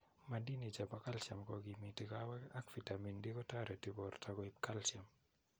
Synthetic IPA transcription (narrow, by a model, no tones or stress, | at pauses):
mandinid͡ʒabakalsjamkɔɡimitikawɛkakfitamindikɔtaɾɛtɪbɔrtʰakɔip̚kalsjam